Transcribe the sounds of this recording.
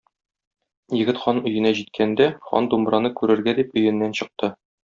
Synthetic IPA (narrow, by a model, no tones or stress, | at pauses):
jɘ̆ɡɘt̪χɒnɵ̆jɘ̆næʑit̪̚kʰænd̪æχɒ̰nd̪umbɾɑnɤkʉɾɘ̆ɾɡæd̪ipɵ̆jɘ̆nːænɕɤ̆q̚t̪ɤ